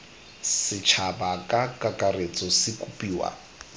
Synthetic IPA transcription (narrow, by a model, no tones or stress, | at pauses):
sɪt͡ʃʰabakʼakʼakʼaret͡sʼɔsɪkʼupʼiːwa̰